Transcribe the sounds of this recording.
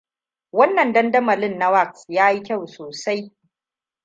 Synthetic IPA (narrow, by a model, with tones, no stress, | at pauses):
wɐ˦nːɐ˨ndɐ˦ndɐ˦mɐ˨lɪ˦nːa˦wa˦˨k̚sjaː˦ji˦kʲa˦˨wsoː˨sa˦j